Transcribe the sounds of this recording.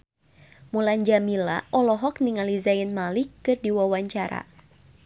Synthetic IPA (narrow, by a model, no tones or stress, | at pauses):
mulaɲd͡ʒamila̰ʔɔlɔɦɔk̚niŋalizainmalikːɨrdiwawaɲt͡ʃaɾa̰